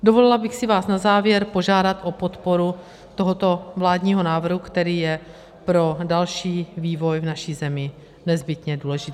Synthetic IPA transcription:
do̞volɪlabɪxsɪvaːsnazaːvjɛɾpo̞ʒaːdat̪ʔo̞po̞t̪po̞ɾu | t̪o̞ɦot̪o̞vlaːdɲiːɦo̞naːvr̩ɦukt̪ɛɾiːjɛ | pɾo̞dalʃiːviːvo̞jvnaʃiːzɛmɪ | nɛzbɪt̪ɲɛduːlɛʒɪt̪ː

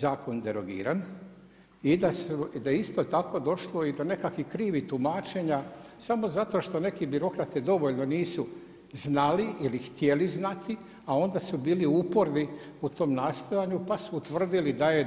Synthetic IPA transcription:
zaːko̞nd̪eɾoɡḭːɾan | id̪asud̪ajeist̪o̞t̪ako̞d̪o̞ʃlˠo̞id̪o̞ne̞kakʋikɾiːʋit̪umaːt͡ʃe̞ɲa | samo̞zat̪o̞ʃt̪o̞ne̞kibiɾo̞kɾat̪ɛd̪o̞ʋo̞ʎno̞niːsu | znaliʔilixt̪jeliznat̪ʰi | ao̞nd̪asubiːliupoɾniut̪o̞ːmnaːst̪ojaɲupasuːt̪ʋr̩d̪ilid̪aje

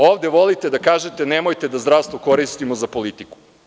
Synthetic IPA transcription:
oːʋd̪e̞ʋo̞lit̪e̞d̪akaːʒet̪e̞nemo̞jt̪e̞d̪azd̪ɾaʋst̪voko̞ɾist̪imozapo̞lit̪iku̥

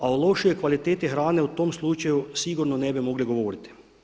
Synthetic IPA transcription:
aolˠo̞ʃiojkʋalit̪eːt̪ixɾaːne̞ut̪oːmslˠut͡ʃajusiɡuɾnonebimo̞ɡliɡo̞ʋoːɾit̪i̥

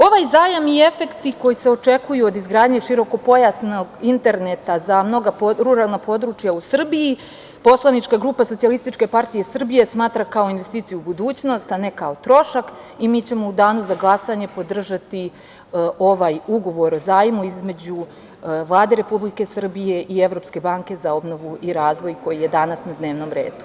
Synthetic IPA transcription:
o̞ʋaːjzaːjamie̞fe̞kt̪iko̞jise̞o̞t͡ʂe̞kujuod̪izɡɾaːd̪ɲe̞ʃiɾo̞ko̞po̞jasnoɡint̪e̞ɾnet̪azamno̞ɡapɾuɾalˠnapo̞d̪ɾut͡ʃjausr̩biji | po̞slˠanit͡ʃkaɡɾuːpaso̞t̪ialist̪it͡ʃke̞paɾt̪ije̞sr̩bije̞smaːt̪ɾakao̞inʋest̪iːt̪ijubud̪uːt͡ɕno̞st̪ane̞kaot̪ɾo̞ʃak | imiːt͡ɕe̞mo̞ud̪aːnuzaɡlˠasaɲe̞po̞d̪r̩ʒat̪i | o̞ʋaːjuɡo̞ʋo̞ɾo̞zaːjimuizme̞d͡ʑu | ʋlˠaːd̪e̞ɾe̞publike̞sr̩bije̞ʔieʋɾo̞ːpske̞baŋke̞zao̞bno̞ʋuiɾaːzʋo̞jko̞jije̞d̪anasnad̪neːʋno̞mɾe̞̰ːd̪u

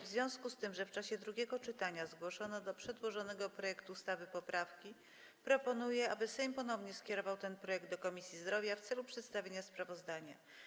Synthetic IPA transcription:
vzvʲjɔ̃w̃skust̪ɘmʐɛft͡ʂaɕɛd̪ɾuɡʲɛɡɔt͡ʂɘt̪aɲazɡwɔʂɔnɔd̪ɔpʂɛd̪wɔʐɔnɛɡɔpɾɔjɛkt̪uːst̪avɘpɔpɾafkʲi | pɾɔpɔnujɛabɘsɛjmpɔnɔvɲɛskʲɛɾɔvawt̪ɛnpɾɔjɛɡ̚d̪d̪ɔkɔmʲisʲjizd̪ɾɔvʲjaft̪sɛlupʂɛt̪st̪avʲeɲaspɾavɔzd̪aɲa

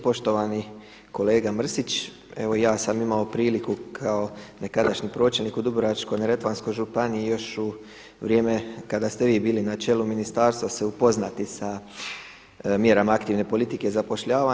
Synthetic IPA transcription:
po̞ʃt̪o̞ʋani | ko̞le̞ːɡamr̩sit͡ʃ | e̞ʋo̞jaːsamimao̞pɾiːlikukʰao̞nekad̪aʃɲipɾo̞ːt͡ʃelnikud̪ubɾoat͡ʃko̞jnaɾet̪ʋansko̞jʒupanijejo̞ʃu | ʋɾjeːmekad̪ast̪e̞ʋiːbiːlinat͡ʃe̞luminist̪aːɾst̪ʋaseupo̞znat̪isa | mje̞ɾamaakt̪iʋne̞po̞lit̪ike̞zapo̞ʃʎaːʋa

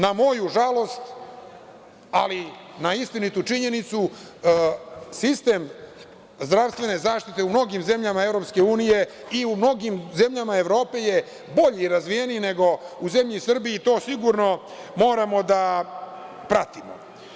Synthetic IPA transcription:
namo̞juʒalˠo̞st̪ | alinaist̪init̪ut͡ʂiɲe̞nit̪su | sist̪e̞ːm | zd̪ɾaʋst̪ʋe̞ne̞zaːʂt̪it̪e̞umno̞ɡimze̞mʎamae̞vɾo̞pske̞uːnije̞ | iumno̞ɡimze̞mʎamae̞ʋɾo̞ːpe̞je̞ | bo̞ʎiːɾazʋijenijne̞ɡo̞uze̞mʎisr̩biit̪o̞ːsiɡuɾno̞ | mo̞ːɾamo̞d̪a | pɾat̪imo̰

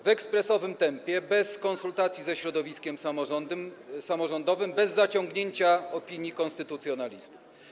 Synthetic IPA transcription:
vɛkspɾɛsɔvɘmt̪ɛmpʲjɛbɛskɔ̃nsult̪at̪sʲjizɛɕɾɔd̪ɔvʲiskʲɛmmsamɔʐɔnd̪ɔvɘmbɛzːat͡ɕɔŋɡɲeɲt͡ɕaɔpʲiɲjikɔ̃nst̪ɘt̪ut̪sjɔnalʲist̪u̥f

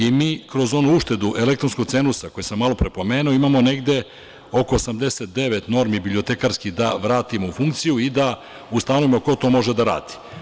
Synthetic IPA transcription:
imiːkɾo̞zo̞nuuʃt̪e̞d̪uʔe̞le̞kt̪ɾo̞nsko̥t̪se̞nusako̞jesamːalo̞pɾe̞po̞meːnuo̞imamo̞ne̞ɡd̪e̞ | o̞ko̞ːsamd̪e̞set̪̚d̪e̞ʋe̞t̪no̞ɾmibibliot̪e̞kaɾskid̪aʋɾaːt̪imoufuŋkt̪sijuid̪a | ust̪anoʋimoko̞t̪o̞ːmo̞ʒe̞d̪aɾa̰ːd̪̥i̥

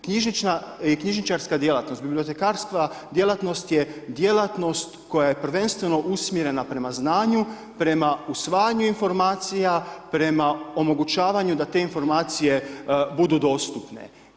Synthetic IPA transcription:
kɲiʒnit͡ʃnajekɲiʒnit͡ʃaɾskad̪je̞lat̪not̪biblio̞t̪e̞kaɾskad̪je̞lˠat̪no̞st̪jed̪je̞lat̪no̞st̪ko̞jaje̞pr̩ʋe̞nst̪ʋe̞noʔusmjeɾe̞napɾe̞maznaːɲu | pɾe̞mausʋaːjaɲuinfo̞ɾmaːt̪sijapɾe̞mao̞mo̞ɡut͡ʃaːʋaɲud̪at̪e̞info̞ɾmaːt̪sije̞bud̪ud̪o̞ːst̪upne̞̰

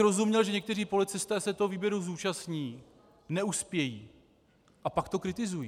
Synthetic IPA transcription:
ɾo̞zumɲɛlʒɛɲɛk̚t̪ɛr̝iːpo̞lɪt͡sɪst̪ɛːsɛt̪oɦoviːbjɛɾuzuːt͡ʃasɲiː | nɛuspjɛjḭː | ʔapakt̪o̞kɾɪt̪ɪzujiː

